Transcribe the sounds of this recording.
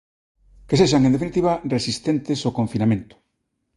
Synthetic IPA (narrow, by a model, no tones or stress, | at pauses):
keseʃaŋend̪efinit̪iβaresist̪ent̪ɪsokõɱfinamẽnt̪ʊ̥